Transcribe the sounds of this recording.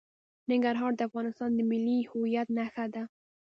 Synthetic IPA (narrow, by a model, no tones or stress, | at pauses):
nɪŋɡaɾɦɑɾd̪əafɣɑnɪst̪ɑnd̪əmɪlːihʊwijat̪̚naxad̪a